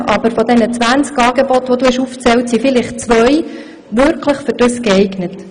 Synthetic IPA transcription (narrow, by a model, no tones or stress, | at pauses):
ʔɑbəɾfɔd̪ɛnət͡sʋænt͡skɑːɡebɔtʋɔd̪uɪʃuft͡sɛwtsifɪlɪχt͡sʋœj | ʋʏɾkʰləχfʏɾd̥ʏskɛɪɡnət